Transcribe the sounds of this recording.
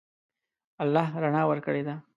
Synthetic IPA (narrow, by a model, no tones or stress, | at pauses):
alːɑɦɾaɳɑwəɾkəɽed̪a